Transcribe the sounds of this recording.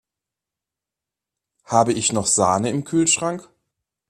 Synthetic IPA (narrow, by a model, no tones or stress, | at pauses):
haːbəɪçnɔχz̥aːnəɪmkʰyːlʃʁ̥aŋk